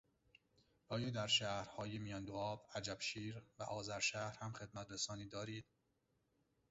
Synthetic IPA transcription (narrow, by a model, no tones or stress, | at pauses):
ɒːjɒːd̪æɾʃæːhɾhɒːjemijɒːnd̪oɒːbæd͡ʒæbʃiːɾvæʔɒːzæɾʃæːhɾhæmxe̞d̪mæt̪ʰɾesɒːniːd̪ɒːɾiːd̪̥̚